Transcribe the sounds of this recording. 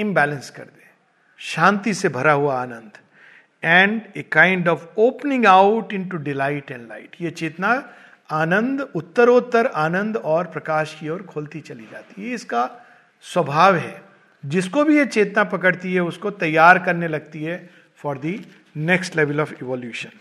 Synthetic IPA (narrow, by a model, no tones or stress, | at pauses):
ɪ̃mbɛːlə̃nskɐ̰ɾd̪ẽː | ʃãːnt̪isebʱɐɾaɦuaaːnə̃nd̪ʱ | ɛ̃ːɳɖekãːɪ̃ɳɖɔːʋoːpnɪ̃ŋɡaʊʈɪ̃ɳʈuɖɪlaːɪʈɛ̃ɳɖlaɪʈjet͡ʃeːt̪na | aːnə̃nd̪ʊt̪ːəɾoːt̪ːəɾaːnə̃nd̪ɔːɾpɾɐkaːʃkiɔːɾkʰoːlt̪it͡ʃɐlid͡ʒa̰ːt̪iɦɛɪska | swɐbʱaːʋɦɛ̰ | d͡ʒɪskobʱijet͡ʃeːt̪napɐkəɽt̪iɦɛʊskot̪ɐjːaːɾkɐɾnelɐɡ̚t̪iɦɛ | fɔːɾd̪i | nɛksʈleʋəlɔːfɪʋɔːljuːʃə̃n